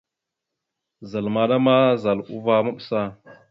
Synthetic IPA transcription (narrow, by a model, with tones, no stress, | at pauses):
za˨lma˨ɗa˦ma˦za˨lṵ˦va˦ma˦ɓsa˦˨